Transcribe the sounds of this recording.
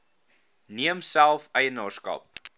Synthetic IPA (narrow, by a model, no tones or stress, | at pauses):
niəmsælˠfəjənɑːskɐ̰p̚